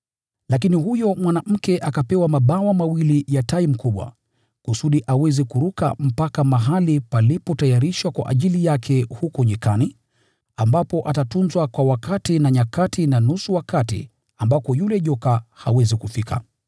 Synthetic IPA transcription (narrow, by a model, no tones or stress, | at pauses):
lakiniɦujɔmwanam̩kɛʔakapɛwamaɓawamawilijataim̩kuɓwa̰ | kusuɗiʔawɛzɛkuɾuka̰m̩pakamaɦalipalipɔtajaɾiʃwakwa̰ʔa̰ʄilijakʰɛhukɔɲikani | ambapɔʔatatunzwakwawakatinaɲakatinanusuwakatḭ | ambapɔjulɛʄɔkaha̰wɛzikufikʰa̰